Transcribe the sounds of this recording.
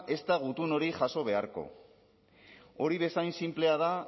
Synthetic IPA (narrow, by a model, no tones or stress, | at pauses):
ʔe̞st̪aɣut̪uno̞ɾiʝaso̞β̞e̞aɾko̞̰ | o̞ɾiβ̞e̞sajnsimple̞að̞a